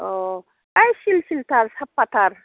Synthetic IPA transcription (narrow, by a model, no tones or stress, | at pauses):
o | ɐjʃilʃilt̪aɾsɐpːɐt̪aɾ